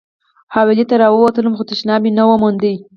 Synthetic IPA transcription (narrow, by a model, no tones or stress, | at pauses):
hɑwɪlit̪aɾɑwəwat̪ələmxot̪ɪʃnɑminawəmʊnd̪əj